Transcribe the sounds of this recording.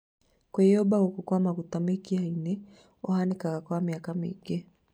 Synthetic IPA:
kaɛɔbaukukwamakut̪amikiainɛ | ɔɦanikakakɔamiakamḭɡɛ

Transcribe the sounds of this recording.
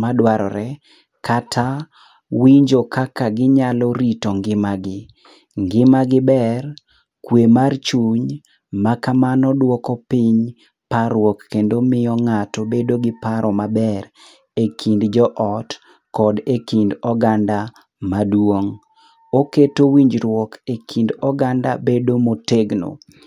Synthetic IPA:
madwaɾɔ̰ɾʔɛ | katʰa | wiɲd͡ʒokakaɡɪɲalɔɾitɔŋɡɪmaɡɪ | ŋɡɪmaɡɪbɛr | kwemart͡ʃuɲ | makamanɔdwɔkɔpɪɲ | paɾwɔkːendomɪɔŋatɔbedoɡɪpaɾʔɔmabɛɾ | ekʰindd͡ʒɔʔɔt | kɔdekindɔɡanda | madwoŋ | oketowiɲd͡ʒɾwɔkekʰindɔɡanda̰bedomoteɡno̰

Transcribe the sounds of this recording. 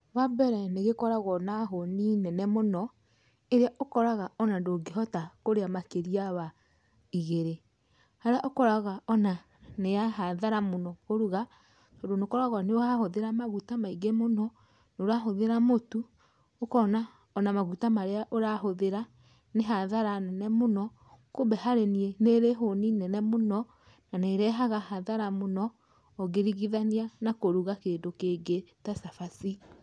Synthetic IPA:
βabɛɾɛneɣekɔɾaɣɔnaɦoninɛnɛmonɔ | eɾeaʔokɔɾaɣaɔnandoɡeɦɔtakoɾeamakeɾiaβa | iɣeɾe | haɾeaʔokɔɾaɣaɔna | neaɦaðaɾamonɔɣoɾuɣa | tɔːndonekɔɾaɣwaneohahoðeɾamaɣutamaiɡemonɔ | noɾaɦoðeɾamotu | okɔna | ɔnamaɣutamaɾeaʔoɾahoðeɾa | neɦaðaɾanɛnɛmonɔ | kobɛɦaɾenieneɾeɦoninɛnɛmonɔ | naneɾɛɦaɣahaðaɾamonɔː | ɣeɾiɣiðanianakoɾuɣakeːndokeːɡetasafasi

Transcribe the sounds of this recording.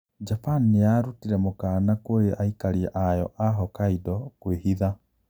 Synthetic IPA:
d͡ʒapanijaɾutiɾɛmokaːnakoɾeʔaikaɾiɛʔajɔ̰ʔaɦɔkaidɔkwehiða

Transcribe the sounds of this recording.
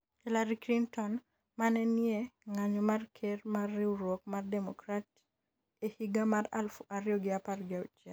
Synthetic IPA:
hɛlaɾikɾintɔn | manɛnjɛŋaɲɔmarkʰermarːɪuɾwɔk̚mardɛmɔkɾat | ehiɡamara̰lfuʔaɾɪjɔɡɪaparɡɪaut͡ʃa

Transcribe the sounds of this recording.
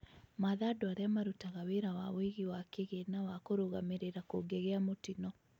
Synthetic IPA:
maðadowaɾeamaɾutaɣaweɾawaβweɣiwakeɣenawakoɾoɣameɾeɾakoɡeɣeamotinɔ

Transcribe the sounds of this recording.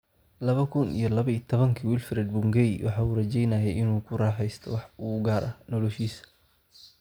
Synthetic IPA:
lɐβɐkʰʊnḭjɔlɐβɐit̪ʰɔβɐŋkʰiwilfɾɛd̪̚bʊŋɡɛjwʔɑħɑːuːrɐt͡ʃɛjnɐjɛjɪnuːkʰʊrɑːħɛjst̪ʰɔ̰wɑħuɡaːɾʔɐ̰nɔlɔʃiːs

